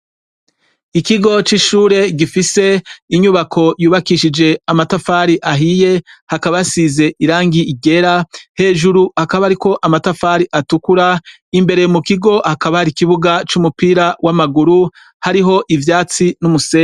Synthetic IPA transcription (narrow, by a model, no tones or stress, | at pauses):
ikiɡo̞t͡ʃiʃuːɾe̞ɡifise̞iɲuβakʰo̞juːβakiʃid͡ʒe̞amatafaːɾiʔaɦije̞hakaβasize̞ʔiɾaːŋɡiːɡe̞ɾahe̞ːʒuɾuhakaβaɾiko̞ʔamatafaɾiʔatukuɾa | imbe̞ɾe̞jmukiɡo̞hakaβahaɾikiβuɡat͡ʃumupiːɾawʔamaɡuɾu | haɾiɦo̞ʔivjaːt͡sinumuseː